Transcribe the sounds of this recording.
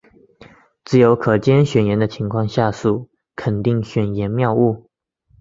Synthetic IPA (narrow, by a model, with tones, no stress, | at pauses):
t͡sɹ̩˥˩jo˧˥ʊkʰɤ˨˩t͡ɕjɛ˥nɕɥɛ˨˩njɛ˧˥nd̪ə˧t͡ɕʰi˧˥ŋkʰwɑ˥˧ŋɕja˥˧su˥˩ | kʰə˨˩nt̪i˥˩ŋɕɥɛ˨˩njɛ˧˥nmjɑ˥˧ʊu˥˩